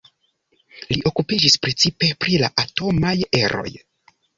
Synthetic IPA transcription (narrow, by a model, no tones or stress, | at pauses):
liʔo̞kupid͡ʒispɾe̞t͡sipe̞pɾila̰ʔato̞maje̞ɾo̞̰j